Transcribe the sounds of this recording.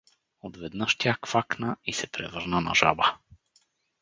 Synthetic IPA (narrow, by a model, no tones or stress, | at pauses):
ot̪vɛd̪nəʃt̪ʲjakfaknəisɛpɾɛ̰vɤɾnənɐ̰ʒa̰bə